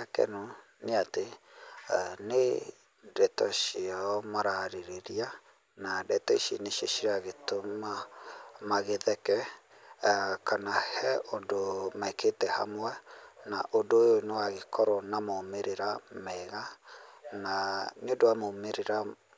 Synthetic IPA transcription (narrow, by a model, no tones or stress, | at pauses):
akɛ̰no | neate | ne | dɛtɔʃiamaɾaɾeɾeɾia | nadɛtɔiʃḭneʃeʃiɾaɣetoma | maɣeðɛkɛ | kanahɛondomaekʰetɛha̰mwɛnaʔondojonewaɣekɔɾɔnamomeɾeɾamɛɣa | nanjondowamomeɾeɾa